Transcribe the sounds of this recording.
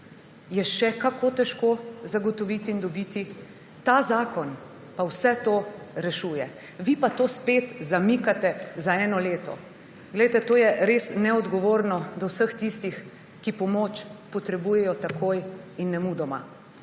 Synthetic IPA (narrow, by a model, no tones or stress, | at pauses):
jɛʃɛkakʰoːt̪ɛʃkozaɡɔt̪ɔʋiːt̪iːnd̪ɔbit̪i | t̪azaːkɔn | pawsɛt̪o | ɾɛʃuːjɛ | ʋipat̪oːspet̪zamikat̪ɛzaɛːnɔleːt̪ɔ̰ | ɡlɛjt̪ɛt̪oːjɛɾeːsnɛɔd̪ɡɔʋoːɾnɔd̪ɔwsəxt̪ist̪ix | kipɔmot͡ʃpɔt̪ɾɛbuːjɛjɔt̪akojinːɛmud̪ɔma̰